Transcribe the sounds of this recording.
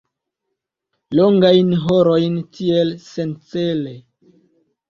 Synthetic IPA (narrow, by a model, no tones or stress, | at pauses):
loŋɡajnɦoɾo̞jntʰielse̞nt͡sele